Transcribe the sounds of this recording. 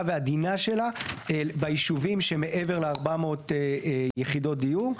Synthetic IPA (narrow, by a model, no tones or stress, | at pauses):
vead̪inaʃe̞laebajiʃuvimʃeme̞ʔe̞veʁleaʁbamo̞ːt̪ejeχid̪o̞t̚d̪iju